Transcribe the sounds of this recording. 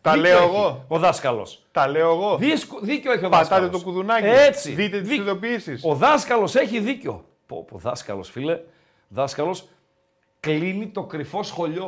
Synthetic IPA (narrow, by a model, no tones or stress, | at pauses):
t̪ɐleoeɣooðɐskɐlo̞̰s | t̪ɐleoeɣo̞ðiskoðiceo̞eçioðpɐtsɐlt̪et̪okuðunɐcet͡siðit̪et̪iisðopiisiso̞ðɐskɐlo̞se̞çiðiceo̞ | po̰poðɐskɐ̰lo̞̰sfile̞ | ðɐskɐlo̞s | klinit̪o̞kɾifo̞sxo̞ʎo̞